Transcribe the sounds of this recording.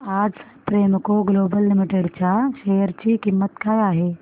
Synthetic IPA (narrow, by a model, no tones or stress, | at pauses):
aːd͡z | pɾemkoɡlobəlːɪmiʈeɽt͡ɕjaɕejəɾt͡ɕiːkimːət̪kajaɦe